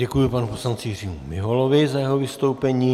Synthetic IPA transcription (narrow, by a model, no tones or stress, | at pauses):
ɛkujɪpanuposlant͡sɪjɪr̝iːmumɪɦolovɪzajɛɦovɪst̪o̞wpɛɲiː